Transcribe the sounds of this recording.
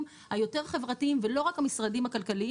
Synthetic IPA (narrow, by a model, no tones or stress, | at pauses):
m | hajo̞te̞ʁaχe̞vʁatiimvelo̞ʁakhamisʁadimhakalkali